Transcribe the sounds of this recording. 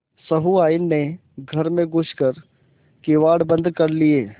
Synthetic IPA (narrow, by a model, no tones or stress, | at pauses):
sɐɦuaːɪnːe | ɡʱɐɾmẽɡʊskəɾ | kɪʋaːɽbə̃nd̪kɐɾlieː